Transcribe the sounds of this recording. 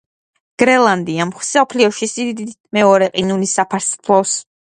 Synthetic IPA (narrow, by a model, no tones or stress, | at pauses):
ɡ̥ɾɛlˠand̪iamχsɔpʰliɔʃisid̪d̪i | mɛɔɾɛqʼinulisapʰaɾspʰlˠɔs